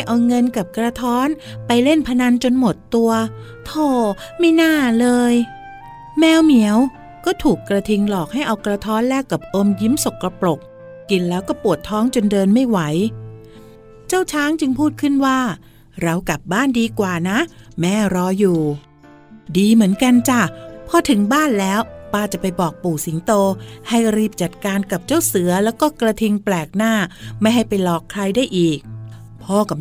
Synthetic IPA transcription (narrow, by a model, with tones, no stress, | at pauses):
a˥˩jʔa˧wŋɤ˧nka˨˩p̚kɾa˧t̪ʰɔː˦˥npa˧jle˥˩npʰa˧na˧nt͡ɕo˧nmo˨˩t̪ːu˧ɐ | t̪ʰoː˥˩ma˥˩jnaː˥˩lɤː˧j | mɛː˦˥wmi˨˩˦əw | kɔː˥˩t̪ʰuː˨˩kːɾa˧t̪ʰi˧ŋlɔː˨˩k̚ha˥˩jʔa˧wkɾa˧t̪ʰɔː˦˥nlɛː˥˩kːa˨˩p̚ʔo˧mji˦˥mso˨˩kːɾa˧pɾo˨˩k̚ | kːi˧nlɛː˦˥wkɔː˥˩pu˨˩ət̪ʰːɔː˦˥˩ŋt͡ɕo˧ndɤː˧nma˥˩jwa˩˦j | t͡ɕaː˥˩wt͡ɕʰaː˦˥ŋt͡ɕɯ˧ŋpʰuː˥˩t̪̚kʰɯ˥˩nwaː˥˩ | ɾa˧wka˨˩p̚baː˥˩ndiː˧kwaː˨˩na˦˥ʔmɛː˦˥ɾɔː˦˥juː˨˩ | diː˧mɯ˩˦ənka˧nt͡ɕa˧˩pʰɔ˧˥t̪ʰɯ˩˦ŋbaː˥˩nlɛː˦˥wpaː˧˩t͡ɕa˨˩pa˧jbɔː˨˩k̚puː˨˩si˩˦ŋt̪oː˧ha˥˩jɾiː˥˩p̚t͡ɕa˨˩t̪̚kaː˧nka˨˩p̚t͡ɕa˥˩wsɯ˨˩˦ɐlɛː˦˥wkɔː˥˩kɾa˧t̪ʰi˧ŋplɛː˨˩k̚naː˥˩ma˥˩jɦa˥˩jpa˧jlɔː˨˩kʰɾa˧jdaː˥˩jʔiː˨˩k̚ | pʰɔː˧˩ka˨˩